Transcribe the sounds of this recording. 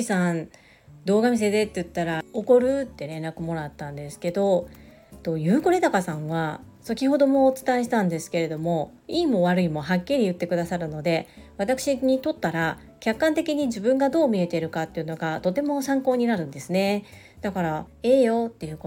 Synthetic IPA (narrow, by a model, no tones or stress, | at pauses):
isãn | d̪o̞ːɡamʲis̬e̞d̪e̞t̪ːejɯ̟t̪ːaɾaoko̞ɾɯ̟t̪ːe̞ɾẽ̞nɾakɯ̟mo̞ɾat̪ːãnd̪e̞sɨ̥ke̞d̪o̞ | t̪oːjɯ̟ːkoɾe̞d̪akasãɰ̃βa | sokʲiho̞d̪o̞mo̞t͡sɨ̥t̪aeɕ̬i̥t̪ãnd̪e̞sɨ̥ke̞ɾe̞d̪omo̞ | iːmo̞βaɾɯ̟imo̞ɦakʲːiɾʲijɯ̟t̪ːe̞kɯ̟d̪asaɾɯ̟no̞d̪e̞βat̪akɯ̟ɕiɲ̟it̪o̞t̪ːaɾa | kʲakːãnt̪e̞kʲiɲ̟iʑibɯ̟̃ŋɡad̪o̞ːmʲie̞t̪e̞ɾɯ̟kat̪ːe̞jɯ̟no̞ɡat̪o̞t̪e̞mo̞sãŋko̞ːɲ̟inaɾɯ̟̃nd̪e̞sɨne̞ | d̪̥akaɾa | e̞ːjo̞t̪ːe̞jɯ̟ːk